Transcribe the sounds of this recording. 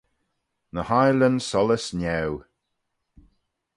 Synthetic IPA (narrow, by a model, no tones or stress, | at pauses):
nəhajlənsɔləsnɛw